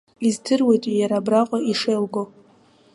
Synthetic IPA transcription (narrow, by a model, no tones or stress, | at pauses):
izdʰɨrwe̞jtʼijaɾabraqʷʼaiʂejlɡo